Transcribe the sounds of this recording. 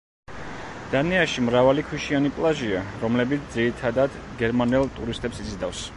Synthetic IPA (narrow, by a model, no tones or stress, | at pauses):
d̪̥anɛaʃimɾavalikʰwiʃianipʼlˠaʒiaɾɔmlɛbit̪sʰd̪ziɾit̪ʰad̪ad̪ | ɡɛɾmanɛlˠt̪ʼuɾist̪ʼɛpsizid̪afs